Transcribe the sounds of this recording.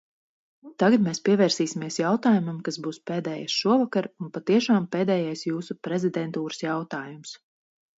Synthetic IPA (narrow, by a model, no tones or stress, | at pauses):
t̪aɡat̪meːspʲiɛvɛːɾsiːsʲimiɛsjawt̪aːjumamkasbuːspeːd̪ɛːjasʃuɔvakaɾunpat̪iɛʃaːmpeːd̪ɛːjajsjuːsupɾɛzid̪ɛnt̪uːɾə̥sjawt̪aːjums